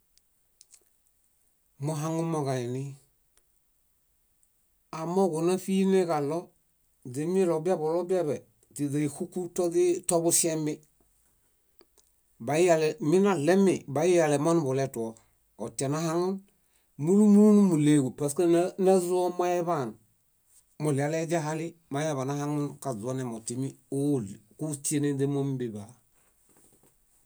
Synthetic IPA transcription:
muɦaŋumoɡaini | amoɡonafiːnekalo | demilobiabolobiabe | tidaihukːutoditobusembi | bajijaleminalemibajijalemanbuleto | otenahaŋn | mulumunumuleɡupaskennazuomajeban | mulialeɟaɦalimajaβanaɦaŋunkazonemotimiolkut͡ʃienendemombiba

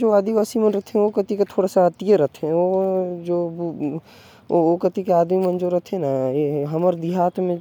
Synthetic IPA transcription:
d͡ʒoaːd̪iʋaːsimənɾɐt̪ʰeɦɛ̃okət̪ikat̪ʰoːɽasaət̪ijəɾɐt̪ʰeɦɛ̃od͡ʒoː | okət̪ikeaːd̪mimə̃nd͡ʒoɾɐt̪ʰẽnaeɦɐməɾd̪iɦaːt̪mẽ

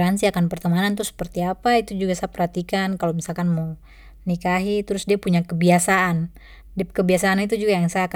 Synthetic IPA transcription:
ɾansiakanpərt̪əmanant̪ʊsə̥pərt̪iapait̪ud͡ʒuɡasapərhat̪ikankalomisalkanmo | nikaɦit̪əɾʊsdiapuɲakəbiasaʔan | dɛkəbiasaːnit̪ud͡ʒuɡajaŋsaka

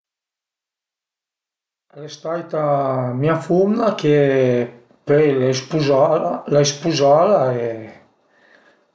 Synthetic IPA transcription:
ɛlɛst̪ajt̪amiafundakʰe | pejlaespuzlaespuzaːlae

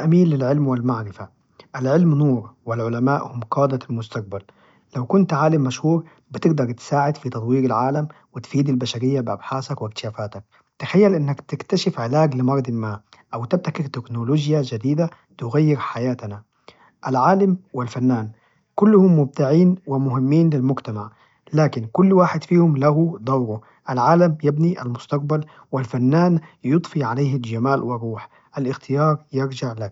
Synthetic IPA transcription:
ʔamiːlːɪlʕɪlmwɪlmaʕɾɪfa | ʔalʕɪlmnuːɾwɪlʕʊlamaːʔhʊmqɑːd̪almʊst̪aq̚bal | lawkʊnt̪ʕaːlɪmːaʃhuːɾ | bɪt̪ɪɡd̪ɑɾˤt̪ɪ̥saːʕɪd̪fit̪ɑt̪ˤwiːɾɪlʕaːlam | wɪt̪fiːd̪ɪlbaʃaɾɪjːabɪʔa̰bħaːsakwɪk̚t̪ɪ̥ʃaːfaːt̪ak̚ | t̪axajːalʔɪnːakt̪ɪkt̪aʃɪfʕɪlaːɡlɪmɑɾˤɑd̪ˤɪlmaːʔawt̪ɪb̚t̪akɪɾt̪ɪknoloːd͡ʒjad͡ʒad̪iːd̪a | t̪ʊɣajːɪɾħajaːt̪ana | ʔalʕaːlamwɪlfanːaːn | kʊlːʊhʊmːʊb̚t̪ɪʕiːnwɪmʊɦɪmːiːnlɪlmʊɡt̪amaʕ | laːkɪnkʊlːwaːħɪd̪fiːhʊmlahud̪ˤɑwɾu | ʔalʕaːlamjɪbniʔa̰lmʊst̪ɑq̚bal | wɪlfanːaːnjʊt̪ˤfiʕalejhɪld͡ʒamaːlwɪrˤuːħ | ʔalʔɪxt̪ɪjɑːɾˤjɪɾd͡ʒɪʕlak

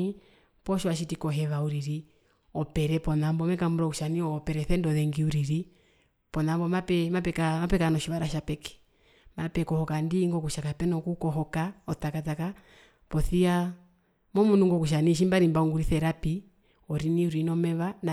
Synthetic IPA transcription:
i | pɔʃɔaʃitikɔɦɛʋauɾiɾi | ɔpɛɾɛpɔnambɔmɛkambuɾɔkuʃaniɔpɛɾɛθɛndɔðɛŋɡiuɾiɾi | pɔnambɔmapɛmapɛkamapɛkanɔʃiʋaɾaʃapɛkɛ̥ | mapɛkɔhɔkandiŋɡɔkuʃakapɛnɔkukɔɦɔkaɔtakataka | pɔθia | mɔmunuŋɡɔkuʃ̬aniʃ̬imbaɾimbauŋɡuɾiθɛɾapi | ɔɾiniuɾinɔmɛʋana

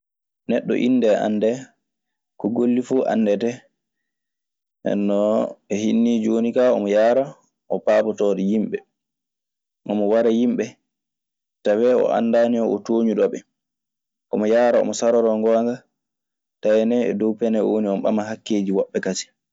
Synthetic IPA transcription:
nɛɗːɔ̰ʔḭndɛʔa̰nːdɛ | kɔɡolːifuːʔa̰nːdɛtɛ | ɛ̰nːɔɛhinːiːd͡ʒwonikaɔmɔjaɾa | ʔɔpaːpɔtɔːdɛjimɓɛ | ʔɔmɔwaɾajimɓɛ | tawɛɔ̰ʔa̰nːdaːniɔɔtoːɲuɗɔɓɛ | ʔɔmɔjaːɾaɔ̰mɔsaɾɔɾɔŋɡɔŋɡa | tajɛnɛɛdɔwpɛnɛɔwoniɔmɔɓa̰maɦakːeːd͡ʒiwɔɓːɛkati̥

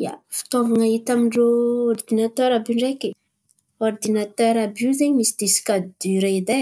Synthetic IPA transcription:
ja̰fi̥t̪ovaŋaɦit̪amiɳɖ͡ʐoɔrd̪inat̪øɾabiɳɖ͡ʐeki | ɔrd̪inat̪œɾabiwzeɲimisid̪isi̥kad̪d̪̥yɾed̪e

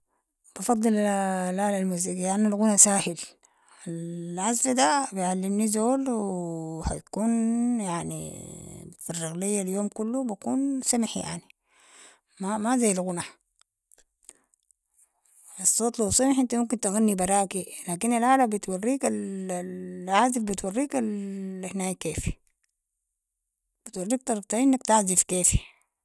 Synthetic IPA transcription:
b̥ɑfɑd̪ˤːɨllʕaːlalmuːs̬iɡijaanːalɣʊnasaːhil | alʕazfad̪abijʕalːimnizoːlwha̰j̪kuːnjaʕnḭ | firːɑɣlijːaljoːmkulːubakuːnsamħja̰ʕni | mamazajːalɣʊna | ɑsˤːɑːt̪ˤluwsamaħʔɪnt̪amumkint̪aɣanːibɑɾˤɑːʔkilaːkinalʕaːlambit̪wɑrːiːkal | ʕaːzifbit̪wɑrːiːkalhnaːjkeːfi̥ | b̥it̪wɑrˤːiːk̚t̪ˤɑɾˤb̚t̪aɪnːakt̪aʕzifkeːfi̥

